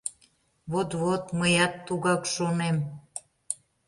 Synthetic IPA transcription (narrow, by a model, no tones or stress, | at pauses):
βot̪βot̪məjɑt̪ːuɣɑkʃonem